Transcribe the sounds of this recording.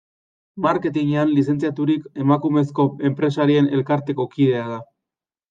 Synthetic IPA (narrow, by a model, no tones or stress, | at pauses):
maɾke̞t̪iɲeanlis̬e̞nt͡siat̪uɾike̞makume̞sko̞e̞mpɾe̞saɾie̞ne̞lkaɾt̪e̞ko̞kiðe̞aða